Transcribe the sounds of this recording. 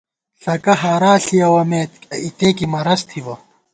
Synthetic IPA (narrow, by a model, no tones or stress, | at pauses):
ɬɐkɐɦaːɾaːɬijɐwɐmeːt̪it̪eːkimɐɾɐst̪ʰiwɐ